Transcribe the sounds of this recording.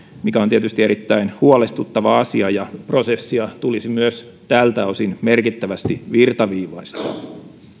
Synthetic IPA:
mikæont̪iet̪yst̪ie̞ɾit̪ːæinhuolest̪ut̪ːɑʋɑɑsiɑjɑpro̞sesːiɑt̪ulisimyøs | t̪æːlt̪æosinmerkit̪ːæʋæst̪iʋirt̪ɑʋiːʋɑist̪ɑ̰ː

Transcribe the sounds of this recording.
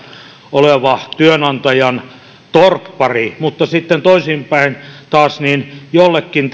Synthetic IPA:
oleʋɑt̪yønɑnt̪ɑjɑn | t̪orpːɑrimut̪ːɑsit̪ːent̪oisimpæint̪ɑːsniːnjolːekːint̪

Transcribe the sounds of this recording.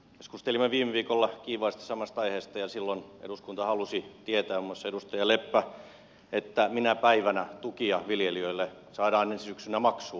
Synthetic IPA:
keskust̪elimːeʋiːmeʋiːkolːɑkiːʋɑːˑist̪ɑ̥sɑmɑst̪ɑiheːst̪ɑjɑsilːonḛɾuskunt̪ɑhɑlusit̪iet̪æːomːɑsːɑedust̪ɑjɑlepːæ | et̪ːæminæpæiʋænæt̪ukiɑʋiljeliøilːe | sɑːɾɑːnensisyksynæmɑksuː

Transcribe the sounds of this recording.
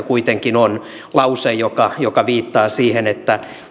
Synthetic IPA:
kuit̪eŋkinon | lɑusejjokɑjokɑʋiːt̪ːɑːsiːhenet̪ːæ

